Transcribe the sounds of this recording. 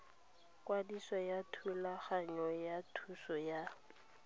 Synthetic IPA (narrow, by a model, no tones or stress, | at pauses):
kʼwadisɔjatʰulaχaɲɔjatʰusɔja